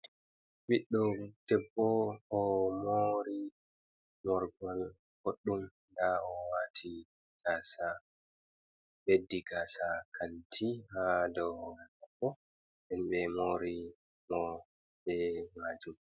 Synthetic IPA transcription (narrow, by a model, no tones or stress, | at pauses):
ɓiɗːɔtɛbːɔɔmoɾi | mɔɾɡɔl | hoɗːum | daɔwatʰi | ɡ̥aːsa | bedːiɡaːsakʰantʰihadɔʔabːɔ | ɛnɓɛmoːɾi | mɔ | bɛmaːd͡ʒum